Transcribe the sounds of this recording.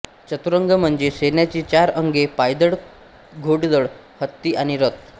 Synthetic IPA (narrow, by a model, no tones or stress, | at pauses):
t͡ɕət̪uɾəŋɡəm̤əɳd͡zesenjat͡ɕiːt͡ɕaɾəŋɡepajd̪əɽ | ɡʱoɽd̪əɭ | hət̪ːiːaɽ̃iɾət̪